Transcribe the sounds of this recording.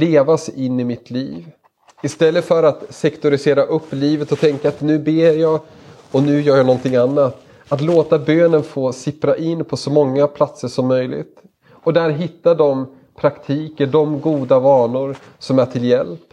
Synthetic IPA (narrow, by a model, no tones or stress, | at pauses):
leːvasɪnːɪmɪt̪ʰliːv | ɪst̪ɛlːəfœɾat̪sɛkt̪ʊɾɪseːɾaʔɵpːliːvət̪ɔt̪ʰɛŋkaːt̪nʉ̟ːbeːɾjɑː | ɔnʉ̟ːjœːɾjanɔnt̪ʰɪŋanːat̪ | at̪loːt̪abøːnənfoːsɪpɾaʔɪnːpʰɔsɔmɔŋːapʰlat̪səʂɔmːœjlɪ̰ɡt̪ | ɔd̪æɾɦɪt̪ːaɖ̪ɔm | pʰɾakt̪ʰiːkəɖɔmɡuːd̪avɑːɳʊɾ | sɔmæʈʰɪljɛ̰lp